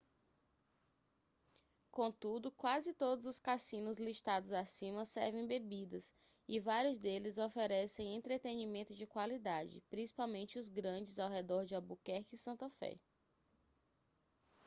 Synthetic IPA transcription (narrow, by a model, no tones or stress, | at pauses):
kõt̪ud̪ʊkwazɪt̪od̪ʊzʊskasĩnʊzliʃt̪ad̪ʊzasĩmɐsɛɾvẽj̃bebid̪ɐs | ɪvaɾjʊzd̪elɪzofeɾɛsẽj̃ẽnt̪ɾet̪enimẽnt̪ʊd͡ʒɪkwalid̪ad͡ʒɪ̰pɾĩsi̥pawmẽnt͡ʃɪʊzɡɾɐ̃d͡ʒɪzawɦed̪ɔɾd͡ʒɪɐbukɛhkɪsɐ̃nt̪afɛ̰